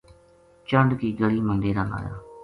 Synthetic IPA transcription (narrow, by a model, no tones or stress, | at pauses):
t͡ʃəɳɖkiːɡəɭiːmənd̪eːɾaːla̰ːja̰ː